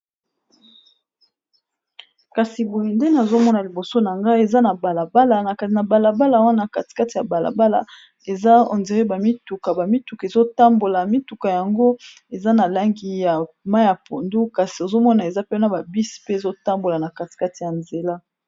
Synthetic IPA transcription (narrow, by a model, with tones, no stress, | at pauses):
ka˨si˨bo˨je˨nde˦na˨zo˦mɔ˦na˨li˨bo˨so˦na˨ŋɡa˦e˨za˦na˨ba˨la˨ba˦la˨na˨ka˨na˨ba˨la˨ba˦la˨wa˦na˨ka˨ti̥˨ka˦ti˨ja˨ba˨la̰˨ba˦la̰˨ | e˨za˦o̰˨nze˨ʁe˦ba˨mi˦tu˨ka˨ba˨mi˦tu˨ka˨e˨zo˦ta˦mbo˨la˨mi˦tu˨ka˨ja˨ŋɡo˦ | e˨za˦na˨la˦ŋɡi˦ja˨ | ma˦ja˨po˨ndu˦ka˨si˨o˨zo˦mɔ˦na˨e˨za˦pe˦na˨ba˨bi˦si̥˨pe˦e˨zo˦ta˦mbo˨la˨na˨ka˨ti̥˨ka˦ti˨ja˨nze˨la˦